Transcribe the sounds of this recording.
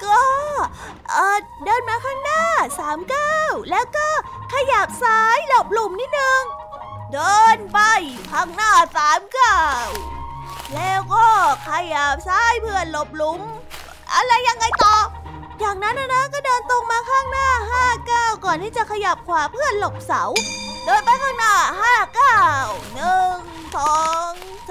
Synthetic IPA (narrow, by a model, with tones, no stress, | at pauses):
kɔː˥˩ | ʔɤː˧˨˩ | dɤː˧nmaː˧kʰaː˥˩ŋnaː˥˩saː˨˩˦mkaː˥˩wlɛː˦˥wkɔː˥˩ | kʰa˧ja˨˩p̚saː˦˥jlo˨˧˩p̚lu˨˩mniː˦˥t̪̚nɯ˧ŋ | dɤː˧npa˧jkʰa˧˥˩ŋnaː˥˩saː˨˦mkaː˧˩w | lɛː˦˥wkɔː˥˩kʰa˧˩jaː˨˩p̚saː˦˥jpʰɯ˥˩ənlo˨˩p̚lu˨˧˦m | ʔa̰˧ɾa˧jːa˧ŋːa˧jt̪ɔː˨˩ | jaː˨˩ŋna˦˥nʔa˧˩na˦˥kɔː˥˩dɤː˧nt̪o˧ŋmaː˧kʰaː˥˩ŋnaː˥˩ɦaː˥˩kaː˥˩wkɔː˨˩nt̪iː˥˩t͡ɕa˨˩kʰa˧ja˨˩p̚kʰwaː˨˦pʰɯ˥˩ənlo˨˩p̚sa˨˩˦wdɤː˧npa˧jkʰaː˥˩ŋnaː˧˥˩ɦaː˥˩kaː˥˩wnɯ˨˩ŋ | sɔː˨˦ŋ | s